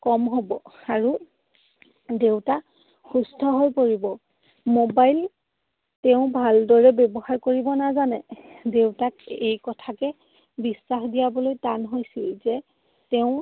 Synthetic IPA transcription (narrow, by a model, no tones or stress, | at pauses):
kɔmɦobɔaɹu | dewta | xusdʰʱɔɦojpoɹibɔ | mobajl | tɛʊ̃bʱaldɔɹɛbɛbɔɦaɹkoɹibɔnazanɛdewtakejkɔtʰakɛ | bisːaxdijabɔlojtanɦojsilzɛ | tɛʊ̃